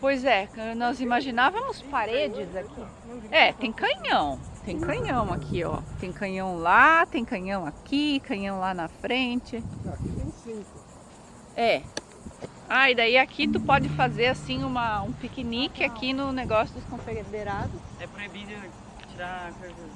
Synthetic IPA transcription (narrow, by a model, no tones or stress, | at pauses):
pojzɛkewnɔzimaʒinavɐmʊspaɾed͡ʒɪzakʰi | ɛt̪ẽj̃kɐ̃ɲɐ̃w̃t̪ẽj̃kɐ̃ɲɐ̃w̃akʰiɔ̰t̪ẽj̃kɐ̃jɐ̃w̃lat̪ẽj̃kɐ̃ɲɐ̃w̃akʰikɐ̃ɲɐ̃w̃lanɐfɾẽnt͡ʃɪakit̪ẽsĩkʊ | ɛ | aid̪aiakʰit̪upɔd͡ʒɪfazeɾasĩũmɐũpikinikɪakinʊneɡɔsjʊd̪ʊskõfeɡed̪eɾad̪ʊsɛpɾebiɾɐ | t͡ʃiɾakazɐ